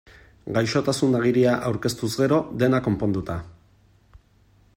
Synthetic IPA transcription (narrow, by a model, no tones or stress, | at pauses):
ɡajʃo̞t̪asunaɣiɾiaʔawɾke̞st̪uzɡe̞ɾo̞d̪e̞nako̞mpo̞nd̪ut̪a